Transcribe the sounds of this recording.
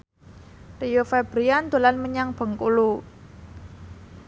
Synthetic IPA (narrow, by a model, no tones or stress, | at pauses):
rijofɛb̥ɾijand̪̥o̤lanməɲaŋb̥ə̤ŋkulu